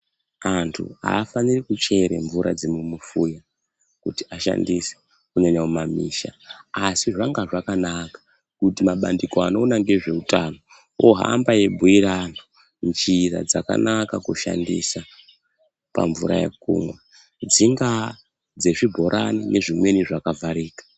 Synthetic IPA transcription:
antʰṵa̰ːfanirikut͡ʃe̞ɾe̞̰ɱvuɾa̰d͡zemumufuja | kutiaʃa̰ndise̥ | kuneɲaumamiːʃaːsiʐaŋɡaʐakanakḁ | kutimaɓandiko̞ano̞ːnaŋɡe̞ʐe̞utano | oɦa̰mbaje̞bʱuiɾano | nt͡ʃira̰d͡zaka̰nakakuʃa̰ndḭsa | pa̰ɱvuɾa̰jḛk̚ṵːmwe | d͡ziŋɡa | d͡ze̞ʐibʱo̞ɾʔa̰ninʔe̞ʐimwe̞niʐakavaɾiːkḁ

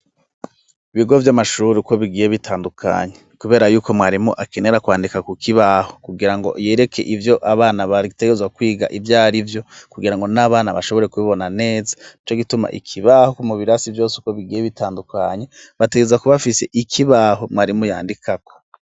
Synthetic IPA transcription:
iβiɡo̞vjamaʃuɾiko̞βiɡiːje̞βitʰaːndukʰa̰ːɲe̞kuβe̞ːɾajuːko̞mŋaːɾimuʔakene̞ɾakwaːndikakukʰiβaho̞̥kuɡiɾaŋɡo̞̰je̞ːɾe̞kʰe̞̰ʔivjo̞ʔaβaːnaβate̞ɡezwakwiːɡa̰ʔivjaːɾivjo̞kuɡiɾaŋɡo̞naːβaːnaβaʃoβo̞ɾe̞kuβiβo̞nane̞ːzḁit͡ʃoɡituma̰ʔḭkʰiβahokumuβiɾasivjo̞ːsuko̞βiɡiːje̞βitaːndukaːɲe̞βateɡezwakuβafise̞̰ʔikʰiβaːɦo̞mŋaːɾimuja̰ːndikʰako̞̥

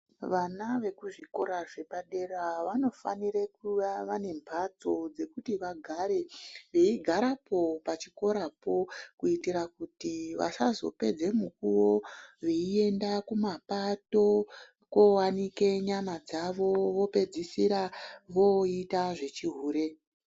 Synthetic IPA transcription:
ʋanaʋe̞kuʐiko̞ɾaʐe̞paɗe̞raʋano̞fa̰nirekuʋaʋane̞mbʱat͡so̞d͡ze̞kutiʋaɡʱaɾe̞ʋe̞iɡʱaɾapo̞pat͡ʃiko̞ɾapo̞kuitiɾakutiʋa̰sazo̞̰pe̞d͡ze̞mukuwoʋe̞ie̞ndakumapato̞ | kowanike̞ɲamad͡zaʋo̞ʋo̞pe̞d͡zisiɾaʋo̞itaʐe̞t͡ʃiɦuːɾe̞

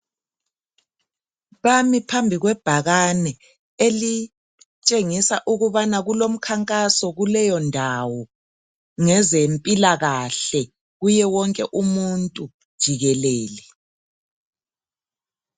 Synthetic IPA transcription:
βamipʰambʱiɣwɛb̥ʱaɣanɛ | eli | t͡ʃʼeŋisaʔuɣuβanaɣulom̩kʰaŋkʼasɔɣulɛjɔndʱawɔ | ŋɛzempʼilaɣaɬɛ | ɣujɛwɔŋkʼɛʔumuntʼu | d̥ʒ̥ʱiɣɛleːlɛ

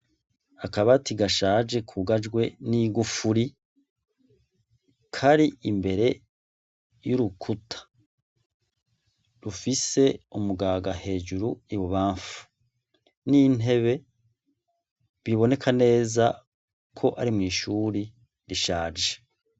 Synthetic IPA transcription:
akaβatiɡaʃaːd͡ʒe̞kʰuɡad͡ʒɡwe̞niɡufuɾi | kʰaɾiʔimbe̞ɾe̞ | juɾukʰutʰḁ | ɾufise̞umuɡaːɡahe̞ːd͡ʒuɾuiβoβaːɱfu̥ | nine̞βe̞ | βiβo̞ne̞kʰane̞ːza | kʰo̞ʔaɾimŋiːʃuːɾi | ɾiʃaːd͡ʒe

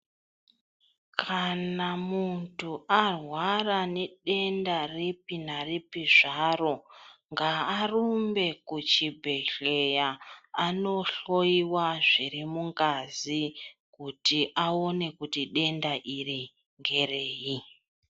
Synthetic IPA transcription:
kʰanamuntuarwaraneɗe̞ndarepinaripiʐaro̞ŋɡaːrumbe̞kut͡ʃibʱe̞ɬe̞jaːno̞ɬo̞iwaʐirimuŋɡazikutiʔao̞ne̞kutiɗe̞ndaʔiri | ŋɡe̞reːji

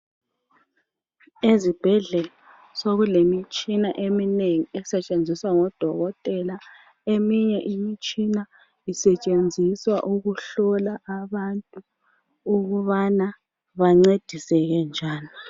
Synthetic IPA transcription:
ezib̥ʱɛɮɛla | soɣulemit͡ʃʼina̰ʔemineŋiɛsɛt͡ʃʼend͡zʱiswaŋɔd̥ʱɔɣɔtʼɛla | emiɲɛʔimit͡ʃʼina | isɛt͡ʃʼend͡zʱiswaʔuɣuɬɔlaʔaβantʼu | uɣuβana | βaŋ͡ǀed̥ʱisɛɣɛnd͡ʒʱaːni

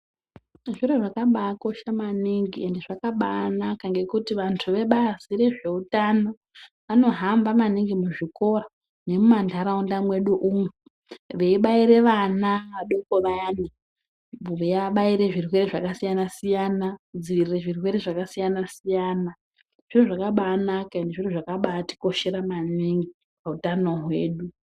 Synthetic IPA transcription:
ʐireʐakaɓakoʃamaniŋɡiende̞ʐakaɓanakaŋɡe̞kutiʋantʰuʋe̞ɓazire̞ʐe̞utano̞ | ʋano̞ɦambamaniŋɡimuʐiko̞ra | ne̞mumandʱaɾaundamwe̞ɗuʔuːmu | ʋeiɓaiɾe̞ʋanaʋaɗo̞koʋajani | uijaɓaiɾe̞ʐirwe̞ɾeʐakasijanasijanad͡ziʋirireʐirwe̞ɾeʐakasijanasijaːna | ʐ̥iroʐakaɓaːnakaendeʐiroʐakaɓaːti̥ko̞ʃe̞ɾamaniŋɡi | pautano̞ɦwe̞̰ːɗu

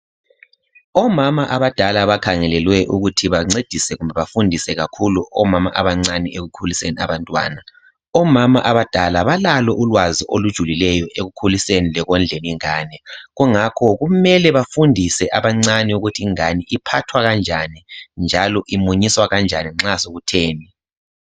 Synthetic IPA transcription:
ɔmamaʔaβad̥ʱalaβakʰaŋɛlɛlwɛʔuɣutʰiβaŋ͡ǀed̥ʱisɛɣumbʱɛβafundʱisɛɣakʰuluɔmama̰ʔaβaŋ͡ǀanieɣukʰulisenia̰βantʼwa̰ːna | ɔmamaʔaβad̥ʱalaβalalɔʔulwaziʔolud̥ʒ̥ʱulilɛjɔʔeɣukʰulisenilɛɣɔnd͡ɮʱeniŋaːnɛɣuŋakʰɔɣumɛlɛβafundʱisɛʔaβaŋ͡ǀaniuɣutʰiːŋaniipʰatʰwaɣand͡ʒʱanind͡ʒʱalɔʔimuɲiswaɣand͡ʒʱaniŋ͡ǁasoɣutʰeːni

